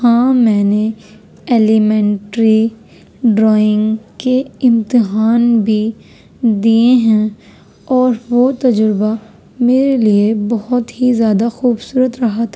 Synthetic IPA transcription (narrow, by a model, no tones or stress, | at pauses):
hãːmɛ̃ːne | eːlimɛ̃ːɳʈɾi | ɖɾɔːɪ̃ŋɡkeɪ̃mt̪ɪɦaːnbʱi | d̪iːeɦɛ̃ | ɔːɾʋot̪ɐd͡ʒɾɪba | meːɾeliebɐɦʊt̪ɦizjaːd̪axuːbsuːɾət̪ɾɐɦat̪ʰa